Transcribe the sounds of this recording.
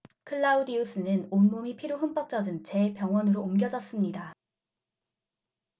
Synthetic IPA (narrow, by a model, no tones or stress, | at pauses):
kʰɯɭːaudius͈ʰɯnɯnonmomipʰiɾjoɸɯnp͈ʌk̚t͡ɕ͈ʌd͡ʑɯnt͡ɕe̞pjʌŋwʌnɯɾoːmɡjʌd͡ʑʌs͈ɯmɲida